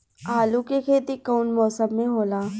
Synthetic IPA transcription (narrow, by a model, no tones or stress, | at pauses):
aːlũkekʰeːt̪ikoːnmɔːsəmːẽɦoːlaː